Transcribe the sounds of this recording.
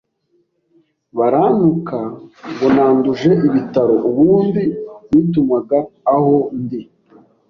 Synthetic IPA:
βaɾanukʰaβonaːnduʒe̞ʔiβitaɾo̞ʔuβuːndiitumaɡaːho̞ndi

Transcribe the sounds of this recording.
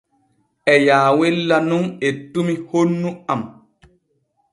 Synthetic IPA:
ɛjaːwelːanunetːumihonːuam

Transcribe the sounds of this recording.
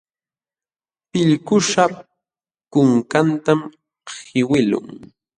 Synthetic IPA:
pɪʎkʊʃa | kʊŋkant̪am | hɪwɪlʊ̰ŋ

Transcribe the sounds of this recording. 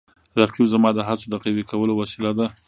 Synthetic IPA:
ɾaqjuzamɑd̪əɦat͡sod̪əqiwikawəlowasilad̪a

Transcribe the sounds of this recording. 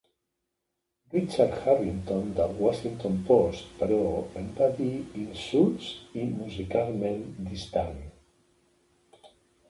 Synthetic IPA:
rit͡ʃaɾxaβint̪õnd̪awasint̪õmpost̪pəɾoempaðiinsulsimuzikalmẽnd̪ist̪aŋ

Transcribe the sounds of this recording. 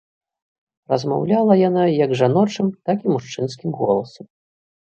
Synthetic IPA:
rɐzma̰wlʲalˠɐjanajɐɡʐanɔt͡ʂɨmt̪akimuʂt͡ʂɨnskʲimɣɔlˠɐsɐm

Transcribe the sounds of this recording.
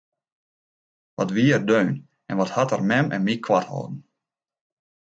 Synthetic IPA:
ʋɔtʋiəərdøːn | ɛnʋɔthatərmɛmɛ̰nmikʰwathɔ̰ːdn̩

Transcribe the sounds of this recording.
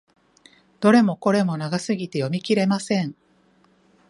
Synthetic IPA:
d̪̥o̞ɾe̞mo̞ko̞ɾe̞mo̞naɡasɨɡʲit̪e̞jo̞mʲikʲiɾe̞masẽ̞ɴ

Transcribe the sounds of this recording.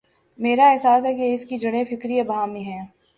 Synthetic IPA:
meːɾaɛɦsaːsɦɛkeɪskid͡ʒɐɽ̃efɪkɾiɐbaːmĩɦɛː

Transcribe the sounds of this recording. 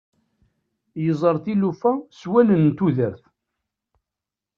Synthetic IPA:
jəzˤəɾˤθilufæswælənt̪uðəɾθ

